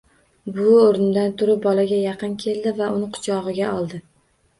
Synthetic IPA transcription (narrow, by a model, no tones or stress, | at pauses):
bʊoɾnd̪ant̪ʰʊɾɪp̚bɒlaɡʲajɑqʰɨnkʲʰe̞ld̪ɪvaʔʊnɪqʰʊ̥t͡ʃʰɒʁɨɡʲaɒlˠd̪ɪ